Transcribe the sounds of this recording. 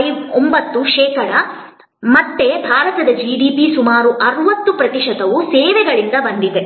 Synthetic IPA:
jombɐt̪ːuʃɛːkɐɭɐ | mɐt̪ːe̞bʱaːɾɐt̪ɐd̪ɐd͡ʒiːɖiːpisumaːɾuʔɐɾuʋɐt̪ːupɾɐt̪iʃɐt̪ɐʋusɛːʋɛɡɐɭind̪ɐbɐnd̪id̪e

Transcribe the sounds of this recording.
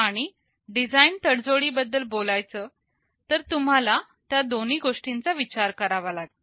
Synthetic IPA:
aɽ̃i | ɖid͡zaint̪əɽd͡zoɽiːbəd̪ːəlbolajt͡səː | t̪əɾt̪um̤ala | t̪jad̪oniːɡoʂʈint͡saʋit͡ɕaɾkəɾaʋalaɡ

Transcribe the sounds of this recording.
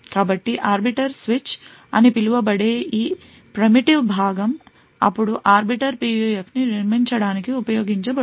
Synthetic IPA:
kaːbɐʈːiʔaːɾbiʈɐɾsʋit͡ʃ | ɐnipiluʋɐbɐɽeːʔiː | pɾimiʈiʋbʱaːɡɐm | ɐ̰pːuɽuʔaːɾbiʈɐɾpiːʋiefniniɾmiɲt͡ʃɐɽaːnikiupɐjoːɡiɲt͡ʃɐbɐ

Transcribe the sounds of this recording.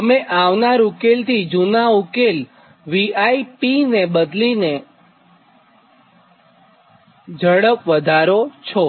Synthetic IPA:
t̪əmeʔaʋnaɾukelt̪ʰid͡ʒunaukel | ʋiaipinebəd̪line | d͡ʒʱəɽəpʋəd̪ʱaɾot͡ʃʰɔ

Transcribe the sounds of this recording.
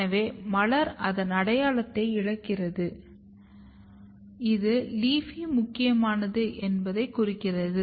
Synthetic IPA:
ɐʋeːmɐɭɐɾɐðɐnɐɽɐjaːlɐt̪ːɐɪɪɻɐkːɪrɐðɯ | ɪðɯliːfimʊkːɪjɐmaːnɐðɯʔɛnbɐðɐɪkʊrɪkːɪrɐðɯ

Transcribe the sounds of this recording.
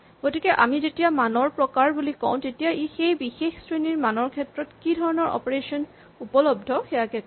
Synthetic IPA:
ɡ̥otikɛʔa̰mizetijamanɔɹpɹɔkaɹbulikɔ̰̃ʊ̃tetijaʔixejbixexsɹeniɹmanɔɹkʰɛtɹɔtkidʱɔɹɔnɔɹʔɔ̰pɔɹesɔn | upɔlɔb̚dʱɔxɛjakɛk

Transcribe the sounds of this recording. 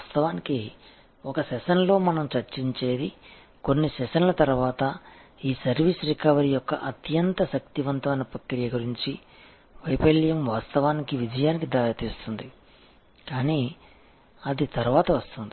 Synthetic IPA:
st̪ɐʋaːniki | ɔkɐʃɛʃɐnlo̞ːmɐnɐmt͡ʃɐɾt͡ʃiɲt͡ʃeːd̪i | ko̞nːiʃɛʃɐnlɐt̪ɐɾuʋaːt̪ɐiːsɐɾʋiːsɾikaːʋɐɾijɔkːɐ̰ʔɐt̪jɐnt̪ɐʃɐk̚t̪iʋɐnt̪ɐʋɐnɐpɐkːiɾijɐɡuɾiɲt͡ʃi | ʋɐjpɐɭjɐmʋaːst̪ɐʋaːnikiʋid͡ʒɐjaːnikid̪aːɾɐt̪iːst̪und̪i | kaːniː | ɐd̪it̪ɐɾuʋaːt̪ɐʋɐst̪und̪i

